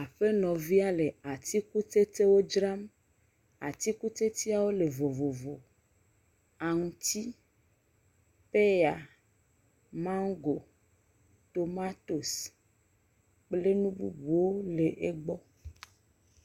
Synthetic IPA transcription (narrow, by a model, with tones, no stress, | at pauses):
a˨ɸe˦nɔ̃˨vi˦a˦le˨a˨t̪i˦ku˦t̪e˦t̪e˦wo˦d͡ʒɾa˦m | a̰˨t̪i˦ku˦t̪e˦t̪i˦a˨wo˦le˨vo˨vo˨vo˨ | a˨ŋũ˨t̪i˦ | pe˦ja˨ | mã˦ŋɡo˨ | t̪o˨ma˦t̪o˨s | k͡ple˦nũ˦bṵ˦bu˨wo˦le˨ʔe˦ɡ͡bɔ˦